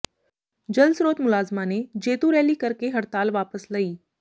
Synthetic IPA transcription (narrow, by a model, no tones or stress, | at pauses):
d͡ʒɐlsɾoːt̪mʊlaːzmaned͡ʒeːt̪uɾɛːlikɐɾkeɦɐɾt̪aːlʋaːpəslaiː